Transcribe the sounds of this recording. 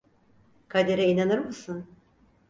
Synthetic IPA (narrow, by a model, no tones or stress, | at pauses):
kʰad̪eɾɛinanɯɾmɯsɯn